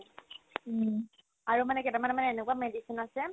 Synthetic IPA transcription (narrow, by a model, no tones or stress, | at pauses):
aɹumanɛkɛtamanɛmanɛːnekuamedisinasɛ